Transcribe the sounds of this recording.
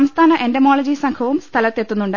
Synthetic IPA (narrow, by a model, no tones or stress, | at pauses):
mst̪ʰaːnɐʔendemoːɭɐd͡ʑisɐŋkʰɐʋumst̪ʰɐlɐt̪ːe̞t̪ːunːuɳɖ